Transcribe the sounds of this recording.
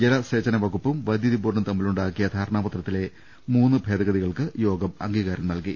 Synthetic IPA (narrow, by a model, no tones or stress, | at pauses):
d͡ʑelɐseːt͡ɕːɐnɐʋɐɡupːumʋɐd̪jɐðibuːrɳɐmt̪ɐmːiluɳɖaːkːijɐd̪ʱaːɾɐɳaːpɐt̪rɐt̪ːile̞ | muːnːɨbʱe̞ːd̪ɐɣɐðiɣɐɭkɨjo̞ːɡɐmɐ̰ŋɡiːɣaːɾɐmnɐlki